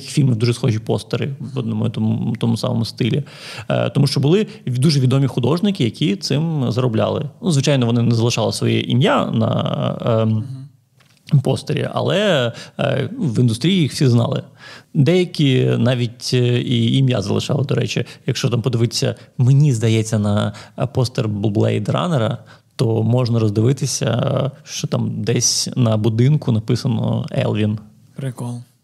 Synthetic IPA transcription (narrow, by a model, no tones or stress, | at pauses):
kʲi̥fʲilʲmɪd̪uʒɛsxɔʒʲipɔst̪ɔɾɪɔd̪nɔmʊt̪ɔmut̪ɔmusɑ̰mɔ̰mʊst̪ɪlʲḭ | t̪ɔmuʃt͡ʃɔbʊlˠɪd̪uʒɛʋʲid̪ɔmʲixʊd̪ɔʒnɪkɪjɐkʲʰit̪sɪmzɐɾɔblʲa̰lˠɪ̰nuzʋɪt͡ʃajnɔʋɔnɪnɛzɐlˠɪʃɑlˠɪsʋɔ̰jɛ̰ʔimjanɐ̰ | pɔst̪ɔɾʲḭʔɐ̰lˠɛ | nuʋind̪ʊst̪ɾʲijijixsʲiznɑ̰lˠɪ̰d̪ɛjɐkʲinɑʋʲitʲiimjazɐlˠɪ̰ʃɑlˠɐd̪ɔɾɛt͡ʃijɐkʃt͡ʃɔt̪ampɔd̪ɪʋɪt̪ʲsʲːɐ̰menʲizd̪ɐjɛt͡sʲːɐnɐpɔst̪erb̪ˠblˠɛ̰jd̪rɑ̰neɾɐ | t̪ɔmɔʐnɐɾɔzd̪ɪʋɪt̪ɪsʲɐ̰ʃt͡ʃɔt̪ɑmd̪ɛsʲnɐbʊd̪ɪnkʊnɐpɪsɐnɔ̰ɛ̰lˠʋʲin | pɾɪklˠ